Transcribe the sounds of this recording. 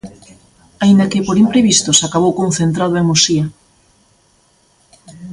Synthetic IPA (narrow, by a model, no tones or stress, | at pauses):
aind̪akepoɾimpɾeβist̪osakaβ̞owkõnθent̪ɾað̞oemosia